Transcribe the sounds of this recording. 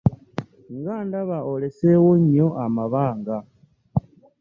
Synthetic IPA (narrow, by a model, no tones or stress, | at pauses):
ŋɡaːndaβaole̞sewoɲoʔamaβaːŋɡa